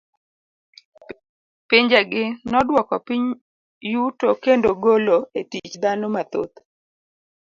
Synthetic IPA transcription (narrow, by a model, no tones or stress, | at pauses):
piɲd͡ʒeɡɪnɔdwɔkɔpiɲ | jutokendoɡoloetit͡ʃd̪anomat̪o̰t̪